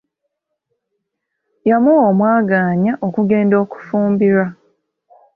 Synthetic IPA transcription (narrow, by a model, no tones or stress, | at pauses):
jamuwoːmwaːɡaːɲaʔo̞kuɡe̞ːndo̞ːku̥fuːmbiɾa